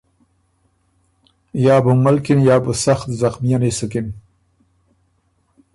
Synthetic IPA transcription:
jɑːbumalkinjɑːbəsaxt̪zaxmijanesəkɪn

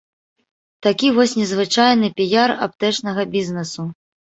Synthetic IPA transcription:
t̪akʲivɔsʲnʲɛzvɨt͡ʂajnɨpʲijara̰p̚t̪ɛt͡ʂnɐɣɐbʲiznɛsu

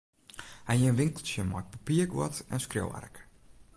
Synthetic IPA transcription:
hajənʋɪŋkəl̩ˠsjəmɔ̰k̚papiəkʋɔ̰tɛ̰nskro̰wa̰rk

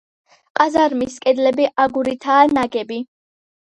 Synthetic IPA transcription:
qʼazaɾmiskʼɛd̪lɛbiʔaɡuɾit̪ʰaːnaɡɛbi

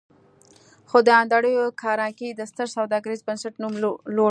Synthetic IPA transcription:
xod̪əand̪aɽəjokʰɑɾɑkid̪əst̪əɾsawd̪ɑɡaɾizbansaʈnumlo

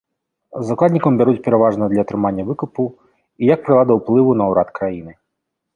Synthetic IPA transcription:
zaklad̪ʲnʲikɐmbʲɛɾut͡sʲpʲɛɾɛvaʐnɐd̪lʲɐːt̪ɾɨmanʲːɐvɨkupu | ijɐk̚pɾɨlˠad̪ɐwplˠɨvunɐwɾat̪kɾajinɨ

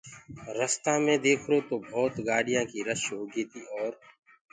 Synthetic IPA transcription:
ɾəst̪aːmẽːd̪eːkʰɾoːt̪oːbʱɔːt̪ɡaːɽɪjãːkiːɾəʃoːɡeːt̪iːʔɔːɾ

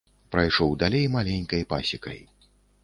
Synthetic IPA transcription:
pɾajʂɔwd̪alʲejmalʲenʲkɐjpa̰sʲikɐ̰j

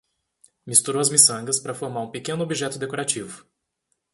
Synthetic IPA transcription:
mist̪uɾowɐzmisɐ̃ŋɡɐspɾɐfoɾmaɾũpekẽnʊobiʒɛt̪ʊd̪ekoɾat͡ʃivʊ

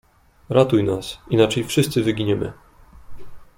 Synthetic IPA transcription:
ɾat̪ujnasinat͡ʂɛjfʂɘst̪sɘvɘɡʲiɲɛmɘ̰

